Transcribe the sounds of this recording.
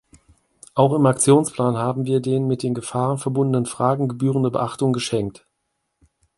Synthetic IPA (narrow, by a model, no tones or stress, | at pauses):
ʔaʊxɪmak̚t͡sjoːnspl̥aːnhaːbm̩viːɐdeːnmɪt̚d̥eːnɡəfaːʁənfɛɐbʊndənənfʁ̥aːɡŋ̩ɡəbyːʁ̞əndəbə̰ʔaχtʊŋɡəʃɛŋk̚t